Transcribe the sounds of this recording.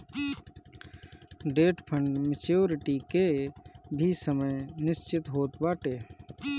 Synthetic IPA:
ɖeːʈpʰə̃ɳɖmɪt͡ʃjoːɾɪʈike | bʱisəməjnɪst͡ʃɪt̪ɦoːt̪baːʈeː

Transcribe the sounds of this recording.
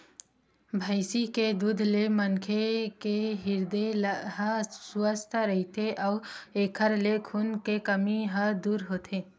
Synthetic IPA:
bʱaɪsiked̪ud̪ʱlemənkʰekeɦɪɾd̪elɦə̃sʊəst̪ʰɾɐɦit̪ʰeʔɔːeːkʰəɾlekʰʊnkekɐmiɦəd̪uːɾɦoːt̪ʰeː

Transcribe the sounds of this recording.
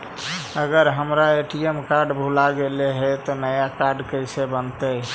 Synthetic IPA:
əɡəɾɦəmɾaeʈiemkaɾɖbʱulaɡeleɦet̪ɔnəjakaɾɖkəɪsebənt̪əj

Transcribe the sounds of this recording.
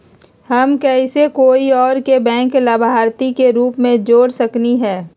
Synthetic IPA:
hɐmkɛːsekoːiɔːɾkebɛ̃ːŋklabʱaːɾt̪ikeɾuːpmẽd͡ʒoːɽsɐkniɦɛː

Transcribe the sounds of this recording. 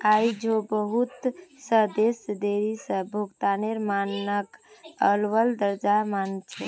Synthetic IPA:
ajd͡ʒobəɦut̪səɦd̪esd̪eɾisəbʱuɡt̪aneɾmannəkəlʋəld̪əɾd͡ʒamant͡ʃʰɛ

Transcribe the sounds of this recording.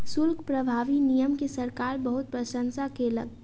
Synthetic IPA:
sʊɾkʰpɾəbʱaːʋinijəmkesɐɾkaːɾbəɦʊt̪̚pɾɐʃə̃nsakelə̰ɡ̚

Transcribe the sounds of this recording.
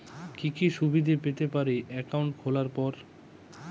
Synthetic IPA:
kikiʃubid̪ʱipet̪epaɾeʔɛkawɳʈ̚kʰolaɾpɔɾ

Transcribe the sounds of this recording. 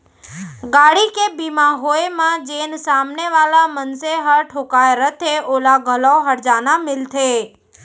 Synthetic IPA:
ɡaɽikebimãɦoemãd͡ʒensamneʋalamənseɦəʈʰokaeɾət̪ʰeʔolaɡʱəlaɦəɾd͡ʒanamɪlt̪ʰe

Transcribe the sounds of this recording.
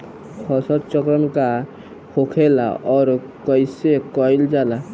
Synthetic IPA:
kʰɔsɔɾt͡ʃɔkɾɔmka | kʰokʰela̰ɔɾ | kɔjsekɔjld͡ʒala

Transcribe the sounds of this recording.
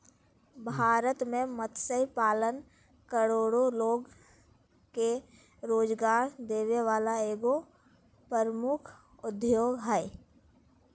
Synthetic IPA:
bʱaːɾət̪mẽmət̪səipaːlən | kəɾoːɽoloːɡ | ke | ɾoːd͡ʒɡaːɾd̪eːweʋaːlaeːɡo | pəɾmʊkʰ | ʊd̪joːɡɦɛː

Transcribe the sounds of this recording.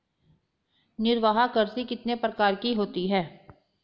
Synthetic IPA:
nɪɾʋaɦakəɾsikɪt̪nepɾəkaːɾkiɦoːt̪iɦɛː

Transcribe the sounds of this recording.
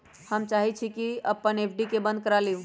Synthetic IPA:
həmt͡ʃaːɦit͡ʃʰikiəpːəneːpʰɖikebə̃nd̪̚kəɾaliũ

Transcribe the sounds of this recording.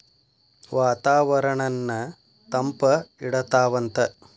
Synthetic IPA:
ʋaːt̪aːʋɐɾɐɳɐnːɐ | t̪ɐmpɐiɽɐt̪aːʋɐnt̪ɐ

